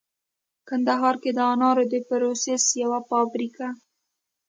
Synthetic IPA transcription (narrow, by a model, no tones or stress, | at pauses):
kand̪aɦɑɾked̪əɑnɑɾod̪epɾosesjawafɑbɾika